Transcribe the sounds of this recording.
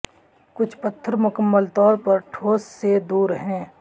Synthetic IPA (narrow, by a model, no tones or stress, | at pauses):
kʊt͡ʃʰpət̪ʰːəɾmʊkəmːəlt̪ɔːɾpɐɾʈʰoːsːed̪uːɾɦɛ̃ː